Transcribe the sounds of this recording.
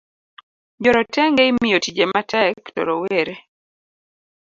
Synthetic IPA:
d͡ʒɔɾɔtɛŋɡɛimijotid͡ʒematʰɛktɔ̰ɾɔweɾe

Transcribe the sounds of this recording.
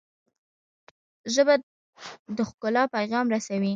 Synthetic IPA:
ʒəba | d̪əxkʊlɑpajɣɑmɾasawi

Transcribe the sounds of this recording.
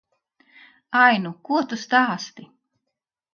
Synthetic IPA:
ajnukuɔt̪ust̪aːst̪i

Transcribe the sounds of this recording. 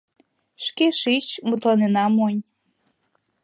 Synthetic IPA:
ʃkeʃit͡ɕmut̪lɑnenɑmonʲ

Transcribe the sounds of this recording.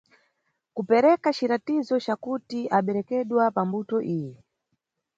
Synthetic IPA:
kupɛɾɛkat͡ʃiɾatizɔt͡ʃakutiʔaɓɛɾɛkɛɗwapambutɔʔijɛ

